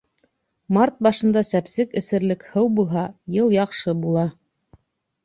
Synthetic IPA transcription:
mɑɾt̪̚bɑʃɤ̆nd̪ɑsæpsɘkɘ̆sɘ̆ɾlɘkhɤwbulˠɦɑjɤlˠjɑqʃɤbulˠɑ

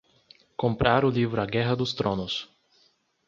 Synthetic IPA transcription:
kõmpɾʔaɾʊlivɾʊaɡɛɦɐd̪ʊst̪ɾõnʊs

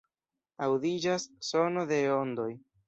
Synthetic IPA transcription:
awdid͡ʒasːo̞no̞de̞o̞nd̪o̞j

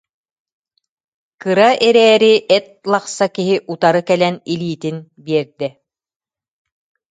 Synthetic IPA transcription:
kɯɾaʔɛɾɛːɾiʔɛt̪̚lˠaqsakiɦiʔut̪aɾɯkɛlɛniliːt̪inbiɛɾd̪ɛ

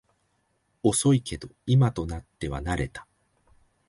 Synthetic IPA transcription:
o̞so̞ikʰe̞d̪o̞imat̪o̞nat̪ːe̞βa̰naɾe̞t̪ḁ

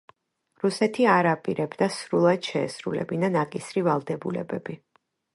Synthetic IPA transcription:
ɾusɛt̪ʰiaɾapʼiɾɛbd̪asɾulˠad̪̥ʃɛ̰ːsɾulɛ̰binanakʼisɾivalˠd̪ɛbulɛ̰bɛbi

